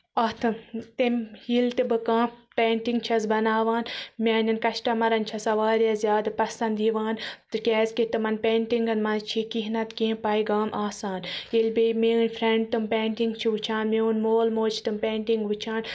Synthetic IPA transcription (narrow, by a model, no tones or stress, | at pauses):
ɐt̪ʰɨmt̪emʲilʲt̪ɨbɨkãːpeːɳʈiŋɡt͡ʃʰɐsbɐnaːʋaːnmʲaːnʲɐnkɐʃʈɐmɐɾɐnt͡ʃʰɐsɐʋaːɾjɐzʲjaːd̪ɨpɐsɐnd̪iʋaːnt̪ɨkʲɛːzkit̪ɨmɐnpeːɳʈiŋɡɐnmɐnzt͡ʃʰikiɦnɐt̪kẽːpaːiɡaːmʔaːsaːnjilʲbejmeːunʲfʰɾeɳɖ̚t̪ɨmpeːɳʈiŋɡt͡ʃʰiʋɨt͡ʃʰaːnmeunmoːlmoːt͡ʃʰi̥t̪ɨmpʲeːɳʈiŋɡʋɨt͡ʃʰaːn